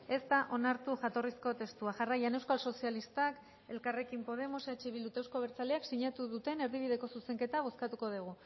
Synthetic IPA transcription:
e̞st̪aʔo̞naɾt̪uʝat̪o̞risko̞t̪e̞st̪uaʝarajane̞wskalso̞sialist̪ak | e̞̰lkare̞kimpo̞ð̞e̞mosat͡ʃiβild̪ut̪ewskoβ̞e̞ɾt͡saleaksiɲat̪uðut̪e̞ne̞ɾðiβ̞iðe̞ko̞suse̞ŋke̞t̪aβ̞o̞skat̪uko̞ð̞uɣ̞u

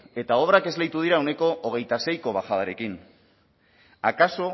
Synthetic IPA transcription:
e̞t̪ao̞βɾake̞zlejt̪uð̞iɾaone̞ko̞ʔoɣ̞e̞jt̪ase̞jko̞βaxaðaɾe̞kin | akaso̞

